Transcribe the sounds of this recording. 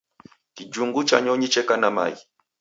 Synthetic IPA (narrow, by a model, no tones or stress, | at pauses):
kid͡ʒuŋɡut͡ʃa̰ɲɔɲit͡ʃɛkanama̰i